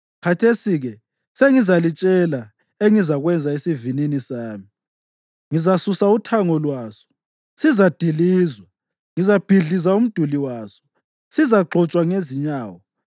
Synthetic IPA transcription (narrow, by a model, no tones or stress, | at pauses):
kʰatʰesiɣɛ | seŋizalit͡ʃʼɛla | eŋizaɣwɛnd͡zʱaesivininisaːmi | ŋizasusautʰaŋɔlwaːsɔ̥ | sizad̥ʱiliːzwa | ŋizab̥ʱiɮizaum̩d̥ʱuliwaːsɔ̥ | sizaɡ͡ǃʱɔt͡ʃʼwaŋeziɲaːwɔ